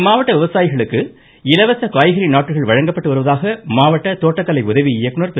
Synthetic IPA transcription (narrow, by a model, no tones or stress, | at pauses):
maːʋɐʈːɐʋɪʋɐsaːjɪɣɐɭɯkːɯ | ɪlɐʋɐsɐkaːjɣɐɾinaːʈːrɯɣɐɭʋɐɻɐŋɡɐpːɐʈːɯʋɐɾɯʋɐðaːɣɐmaːʋɐʈːɐt̪oːʈːɐkːɐlɐɪʊðɐʋiɪjɐkːɯnɐɾp̪